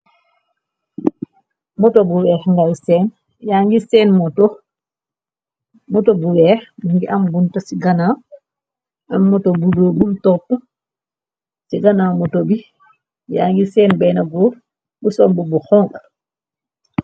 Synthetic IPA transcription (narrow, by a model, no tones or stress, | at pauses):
mɔtobuwɛːxŋɡalsɛːn | jaːŋɡisɛːnmɔtɔ | mɔtobuwɛːxmuŋɡiʔambuntɐsiɡanaː | amːɔtobudoːbumtɔtɔ | siɡanaːmɔtobi | ja̰ŋɡisɛːnbɛnaɡɔː | busɔmbubuxɔŋʔa